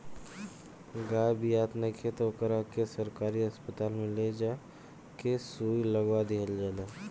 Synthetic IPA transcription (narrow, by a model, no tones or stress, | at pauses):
ɡaːbijaːt̪nəkʰet̪okəɾakesəɾkaːɾiəspət̪aːlmẽled͡ʒaː | kesuːiləɡad̪eɦəld͡ʒaːle